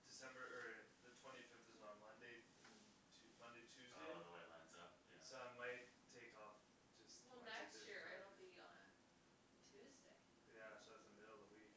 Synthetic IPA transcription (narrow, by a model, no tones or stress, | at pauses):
d̥ɨsɛ̃mbə˞ɜ˞lˠiðɨtʰw̥ɛ̃ɾ̃ifɪfθɨzn̩mʌ̃ndeɪ | tʰ | mʌ̃ndeɪtʰʉzdeɪwḛlã̰nz̰ | soʊãɪmaɪtʰeɪkɔf | d̥ʒ̥ʌstwɛlˠðætsʃʊɹaɪɾõʊ̃nb̥ĩn | tʰʉzdeɪ | jæsoʊðɨtðɨmɪɾl̩ˠðəwik